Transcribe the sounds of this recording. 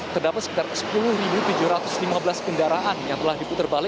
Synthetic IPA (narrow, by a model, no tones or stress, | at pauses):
t̪ərdapat̪sə̥kit̪arsə̥pulʊhribut̪ud͡ʒuɾat̪ʊslimabəlaskəndaɾaʔanjaŋt̪əlahdiput̪ərbalɪ